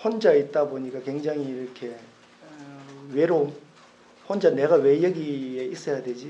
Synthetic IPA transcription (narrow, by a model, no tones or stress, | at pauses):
hond͡ʑait̚t͈aboɲik͈akwe̞ŋd͡ʑaŋiːɾʌkʰe̞ | weɾom | hond͡ʑane̞ɡawe̞jʌɡieis͈ʌjadwe̞d͡ʑi